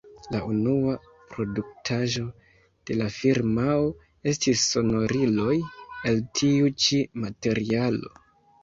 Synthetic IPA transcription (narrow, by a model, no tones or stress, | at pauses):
launua | pɾo̞duk̚tʰaʒo̞ | d̥e̞lafiɾmao | e̞stisːo̞no̞ɾilo̞jeltʰiut͡ʃimate̞ɾialo̞